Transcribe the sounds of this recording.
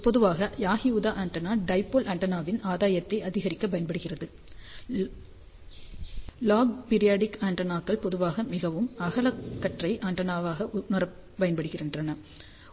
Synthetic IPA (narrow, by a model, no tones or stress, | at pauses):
pɔðɯʋaːɣɐjaːɣɪjuːðaːʔɐɳʈɐnaːɖɐɪpːoːlʔɐɳʈɐnaːʋɪnaːðaːjɐt̪ːɐɪɐðɪɣɐɾɪkːɐpɐjɐnbɐɽɯɣɪrɐðɯ | laːɡpɪɾɪjaːɖɪkaːɳɖɐnaːkːɐɭpɔðɯʋaːɣɐmɪɣɐʋɯmɐɣɐɭɐkːɐʈrɐɪʔaːɳʈɐnaːʋaːɣɐʔʊmɐɾɐː | ɐjɐnpɐɽɯɣɪrɪndrɐnɐ